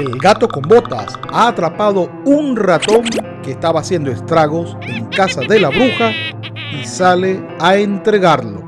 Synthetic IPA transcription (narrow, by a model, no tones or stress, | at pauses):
elɡat̪o̞ko̞mbo̞t̪a̰saːt̪ɾapaðo̞ | unrat̪o̞ŋke̞ːst̪aβaːsje̞nd̪oest̪ɾaɣo̞s | e̞ŋkasaðe̞laβɾuxa | isale | aent̪ɾe̞ɣaɾlo̞̰